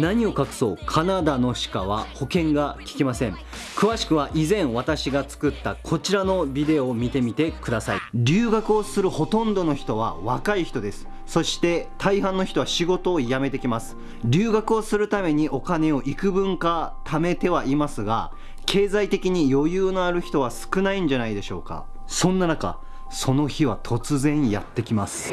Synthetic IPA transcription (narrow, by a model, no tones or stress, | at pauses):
naɲ̟io̞kakɯ̟̥so̞̰ːkʰanad̪ano̞ɕi̥kaβa̰ho̞kẽ̞ŋɡakʲi̥kʲimasẽ̞ŋ | kɯ̟βaɕi̥kɯ̟β̞aʔizẽɰ̃βat̪aɕiɡat͡sɨ̥kɯ̟t̪ːakʰo̞t͡ɕiɾano̞bʲid̪e̞oːmʲit̪e̞mʲit̪e̞kɯ̟d̪asa̰iɾʲɨːɡakɯ̟o̞sɨɾɯ̟ho̞t̪õ̞nd̪o̞no̞çi̥t̪o̞β̞a̰βakaiçi̥t̪o̞d̪e̞sɨ̥ | so̞ɕi̥t̪e̞t̪ʰaiɦãnːo̞çi̥t̪o̞βaɕiɡo̞t̪o̞ːjame̞t̪e̞kʲimasɨ̥ | ɾʲɨːɡakɯ̟o̞sɨɾɯ̟t̪ame̞ɲ̟iʔo̞kane̞o̞ʔikɯ̟bɯ̟̃ŋkat̪ʰame̞t̪e̞βaimasɨɡa̰ | kʰe̞ːzait̪e̞kʲiɲ̟ijo̞jɯːnoaɾɯ̟çi̥t̪o̞β̞asɨ̥kɯ̟naĩɲ̟d͡ʑanaid̪e̞ɕo̞ːka̰ | sõ̞nːanaka̰ | so̞no̞çiβ̞at̪ʰo̞t͡sɨzẽ̞ɲːija̰t̪ːe̞kʲimasɨ̥